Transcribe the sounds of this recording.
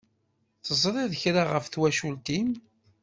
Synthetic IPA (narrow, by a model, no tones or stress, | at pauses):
θəzˤɾˤɪðəçɾaʁəfθwæʃult̪im